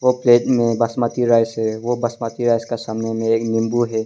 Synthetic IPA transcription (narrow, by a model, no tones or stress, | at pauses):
ʋopleːʈmẽbɐsmaːt̪iɾaːjsɦɛʋobɐsmaːt̪iɾaːskesaːmnemẽeːknɪ̃mbuɦɛː